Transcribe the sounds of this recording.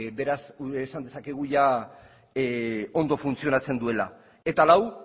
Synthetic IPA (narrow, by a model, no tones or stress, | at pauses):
be̞ɾasuesand̪e̞sake̞ɣ̞uʝa | o̞nd̪o̞funt͡sio̞nat͡se̞nd̪ue̞la̰ | e̞t̪alaw